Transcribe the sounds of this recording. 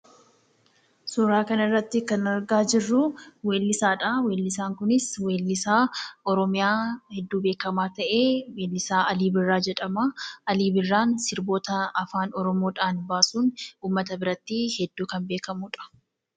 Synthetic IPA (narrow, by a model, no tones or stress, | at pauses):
suːɾaːkɐnɪrːɐt̪ːɪkɐnɐɾɡaːd͡ʒɪrːʊwe̞ːlːɪsaːᶑɐweːlːɪsaːŋkʊnɪswe̞ːlːɪsaːɔɾɔmɪjaːhɛd̪ːuːbeːkɐmaːt̪ɐʔe̞ːweːlːɪsaːɐliːbɪrːaːd͡ʒɛᶑɐmaɐliːbɪrːaːnsɪɾbo̞ːt̪ɐɐfaːnɔɾɔmoːᶑaːnbaːsuːnuːmːɐt̪ɐbɪɾɐt̪ːihɛd̪ːuːkɐnbe̞ːkɐmʊᶑɐ̥